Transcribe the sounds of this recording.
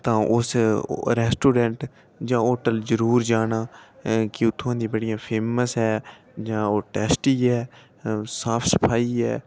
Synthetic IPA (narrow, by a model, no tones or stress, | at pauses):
t̪ãːʔʊsɾɛːsʈoːɖɛ̃ːɳʈ | d͡ʒãːoːʈəld͡ʒəɾuːɾd͡ʒaːnaːkɪʊt̪ʰːõãːd̪ĩːbəɽɪjãːpʰeːməsɦɛː | d͡ʒãːoːʈɛːsʈiːɦɛː | saːpʰsəpʰaːiːɦɛː